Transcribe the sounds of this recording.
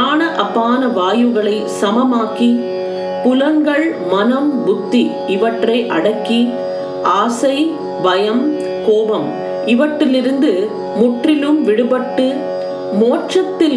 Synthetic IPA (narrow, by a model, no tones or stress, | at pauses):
aːnɐʔɐpːaːnɐʋaːjɯɣɐɭɐɪsɐmɐmaːki | pʊlɐŋɡɐɭmɐnɐmbʊt̪ːi | ɪʋɐʈrɐɪʔɐɽɐkːi | ʔaːsɐɪ | ʋɐjɐm | koːʋɐm | ɪʋɐʈːɪlɪɾɯnd̪ɯ | mʊʈrɪlɯmʋɪɽɯbɐʈːɯ | moːʈrɐt̪ːɪl